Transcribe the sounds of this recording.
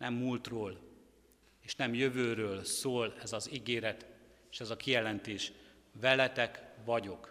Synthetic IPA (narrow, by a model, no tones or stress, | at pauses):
nʔɛmːult̪roːl | eːʃnɛmjøvøːɾøːlsoːlɛzɒziɡeːɾɛt̪ | eːʃɛzɒkijɛlɛnt̪eːʃ | vɛlɛt̪ɛkʋɒɟo̞k